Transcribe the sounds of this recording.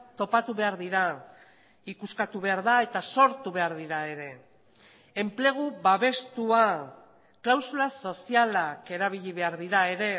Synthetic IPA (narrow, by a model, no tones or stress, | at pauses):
t̪o̞pat̪uβe̞aɾðiɾa | ikuskat̪uβ̞e̞aɾðae̞t̪aso̞ɾt̪uβe̞aɾð̞iɾae̞ɾe̞ | e̞mple̞ɣ̞uβaβe̞st̪ua | klawsulaso̞sialake̞ɾaβ̞iʎiβe̞aɾðiɾae̞ɾe̞